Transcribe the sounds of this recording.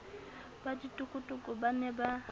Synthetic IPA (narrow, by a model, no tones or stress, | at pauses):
baditʼʊkʼʊtʼʊkʼʊbanɛba